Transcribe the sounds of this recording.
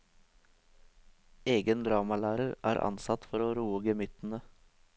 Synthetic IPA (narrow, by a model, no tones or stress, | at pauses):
eːɡənd̪ɾɑːmɑlæːɾəɾæ̰ːɾʔɑ̰nsɑt̪fɔɾoːɾuːəɡəmʏt̪n̩ə